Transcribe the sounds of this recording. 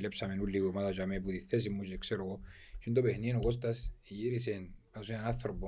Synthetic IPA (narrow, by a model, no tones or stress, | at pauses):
lepsamenulːiɣomaðat͡ʃamep̬ut̪iθes̬imːut͡ʃiekseɾoɣo | ʃind̪opehnienokost̪asjiɾis̬enpasianaθɾobo